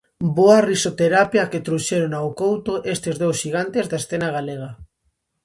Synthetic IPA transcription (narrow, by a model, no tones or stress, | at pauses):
boarisot̪eɾapjaket̪ɾuʃeɾonawkowt̪oʔest̪ezðowsʃiɣ̞ant̪ezðaesθenaɣaleɣ̞a